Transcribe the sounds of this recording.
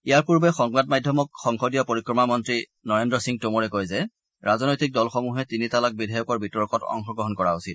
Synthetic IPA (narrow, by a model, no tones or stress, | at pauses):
ijaɹpuɹbɛxɔŋbadmajdʱjɔmɔk̚xɔŋxɔdijɔpoɹikɹɔmamɔntɹi | nɔɹendɹɔsiŋtomɔɹɛkojzɛ | ɹazɔnojtik̚dɔlxɔmuɦɛtinitalak̚bidʱajɔkɔɹbitɔɹkɔtɔ̰ŋxɔɡɹɔɦɔnkɔɹausit̚